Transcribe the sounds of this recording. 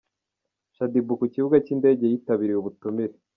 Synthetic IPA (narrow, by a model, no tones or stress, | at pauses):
ʃadibukuciβuɡaciːnde̞ːɟe̞jiːtaβiɾiuβutumiɾe